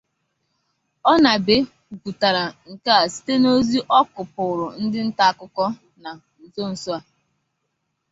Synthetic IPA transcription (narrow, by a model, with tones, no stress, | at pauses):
ɔ˦na˨be˨ | ɡu˨ta˨ɾa˨ŋ̩˨ka˦a˨si̥˦te˦no˦zi˦ʔɔ˦kʊ˨pʊ˨ɾʊ˨n̩˦dɪ˦n̩˦ta˦a˨kʊ˦kɔ˦ | na˨ | n̩˨zo˦n̩˨sʊ˦a˨